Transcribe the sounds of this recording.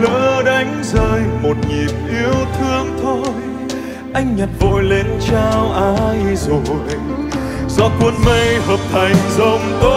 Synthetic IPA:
ləː˧˦ɗa˧˦jŋ̟zəː˧˨˩jmo˨˩t̚ŋi˨˩p̚ʔi˨˧˦əwt̪ʰɨ˧əŋt̪ʰo˧j | ʔa˧jŋ̟ɲa˨˩t̚vo˨˩jle˨˦nt͡ɕa˧wʔaː˧jzo˨˩j | zɔ˧˥kwə˧nmə˧jvəː˨˩p̚ha˨˩jŋ̟zə˧wŋ͡mt̪o˧˦

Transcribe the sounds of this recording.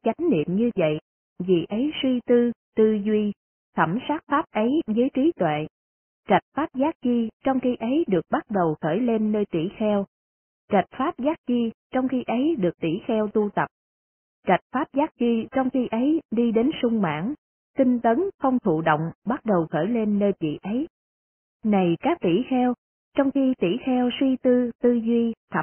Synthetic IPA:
t͡ɕa˨˦jŋ̟nḭ˧˨əmɲɨ˧və̰˧˨j | vḭ˨ʔə˨˦jswi˧t̪ɨ˧t̪ɨ˧zwi˧ | t̪ʰə˧˩msaː˦˥k̚faː˦˥p̚ʔə˨˦jzəː˨˦jt͡ɕi˨˦t̪wḛ˧˨ | t͡ɕa˨˩jt̚faː˦˥p̚zaː˦˥k̚t͡ɕi˧t͡ɕɔ˧wŋ͡mxi˧ʔə˨˦jɗɨ˨˩ək̚ɓa˦˥t̚ɗə˨˩wxəː˧˩jle˧nːəː˧jt̪ḭ˧˩xɛ˧w | t͡ɕa˨˩t̚faː˦˥p̚zaː˦˥k̚zi˧t͡ɕɔ˧wŋ͡mxi˧ʔə˨˦jɗɨ˨˩ək̚t̪ḭ˧˩xɛ˧wt̪u˧t̪ə˨˩p̚ | t͡ɕa˨˩jt̚faː˦˥p̚zaː˦˥t̚zi˧t͡ɕɔ˧wŋ͡mxi˧ʔə˨˦jɗi˧ɗe˨˦nsʊ˧ŋ͡mma̰ː˧˥˩n | t̪i˧ŋ̟t̪ə˨˦nxə˧wŋ͡mt̪ʰṵ˧˨ɗo̰˧˨wŋ͡mɓa˦˥t̚ɗə˨˩wxəː˧˩jle˧nːəː˧jvḭ˧˨ʔə˨˦j | na˨˩jkaː˦˥k̚t̪ḭ˧˩xɛ˧w | t͡ɕɔ˧wŋ͡mxi˧t̪ḭ˧˩xɛ˧wswi˧t̪ɨ˧t̪ɨ˧zwi˧t̪ʰə˨˩

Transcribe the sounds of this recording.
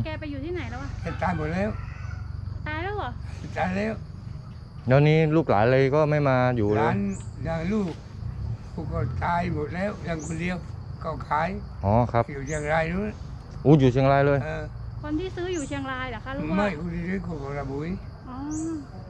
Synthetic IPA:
kɛː˧pa˧jːuː˨˩t̪ʰiː˥˩na˨˩˦jla˦wkʰa˧˩ke˨˧˩t̪aː˧jmo˨˩t̪̚lɛː˦˥˩w | t̪aː˧jlɛː˦˥wlɔ˨˧˦t̪aː˧jlɛː˦˥˩w | daː˧nːiː˦˥luː˥˩k̚la̰ː˩˦nlɤː˧jkɔː˥˩ma˥˩jmaː˧juː˨llaɤː˧˨˦njaː˧˩ŋluː˥˩k̚ | tʰuː˧˩kɔː˧˩t̪aː˧jmo˨˩t̪̚lɛː˦˥˩wja˧ŋkʰo˧ndi˧ə˧wkɔ˧˩wkʰaː˧˥˩j | ʔɔː˧˩kʰa˦˥pjuː˨˩tʰaː˧əŋɾaː˧jɾuː˦˥˩ | ʔuː˧˩juː˨˩t̪ʰi˧ŋlaː˧jlɤː˧jʔɤː˧kʰo˧nt̪ʰiː˥˩sɯː˦˥juː˨˩t͡ɕʰi˧əŋɾaː˧jla˨˦kʰa˦˥ma˧˥˩jkʰo˧ndiː˧tuː˦˥˩kʰɔː˧˩kɔ˧˩ɾa˧˩bu˨˦jʔɔː˧˦

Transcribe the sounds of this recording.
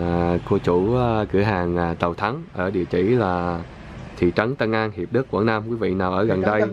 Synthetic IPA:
ko˧t͡ɕu˧˩˦kɨ˧˩əɦaː˨˩ŋʔa˨˩t̪ə˨˩wt̪ʰa˨˦ŋʔəː˧˩ɗḭ˨ət͡ɕḭ˧˩laː˨˩ | t̪ʰḭ˧˨t͡ɕə˨˦nt̪ə˧nʔaː˧nhi˨˩əp̚ɗɨ˦˥kːwə˧˩nːa˧mkwi˨˦vḭ˧˨naː˨˩wʔəː˧˩ɣə˨˩nɗə˧j

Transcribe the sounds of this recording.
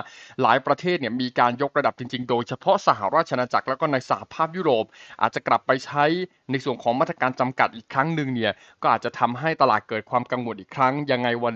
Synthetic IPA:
laː˩˦jpɾa˧t̪ʰeː˥˩t̪̚ni˥˩əmiː˧kaː˧njo˦˥k̚ɾa˧da˨˩p̚t͡ɕi˧ŋt͡ɕi˧ŋdoː˧jt͡ɕʰa˧pʰɔ˦˥ʔsa˧ɦa̰˨˩ɾaː˥˩t̪̚t͡ɕʰa˧na˧t͡ɕa˨˩k̚lɛː˦˥wkɔː˥˩na˧jsa˧ha̰˨˩pʰaː˥˩p̚juː˥˩ɾoː˨˩p̚ʔa̰ː˨˩t̪̚t͡ɕa˨˩kla˨˩pːa˧jt͡ɕʰa˦˥j | na˧jsu˨˩ənkʰɔː˩˦maː˥˩t̪ːɾa˧kaː˧nt͡ɕa˧mka˨˩t̪̚ʔiː˨˩kʰɾa˦˥ŋnɯ˧ŋni˥˩ɐ | kkɔː˥˩ʔaː˨˩t̪̚t͡ɕa˨˩t̪ʰa˧mɦa˥˩jt̪a˧laː˨˩t̪̚kɤː˨˩t̪̚kʰwaː˧mka˧ŋwo˨˩nʔiː˨˩kʰɾa˦˥ŋja˧ŋːa˧jwa˧

